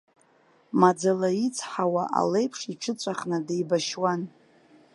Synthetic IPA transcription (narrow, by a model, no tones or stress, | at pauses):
mad͡zalait͡sʰħawaʔa̰lejpʰʂiʈ͡ʂʰɨt͡sʷʼaχnɨdejbaʃwan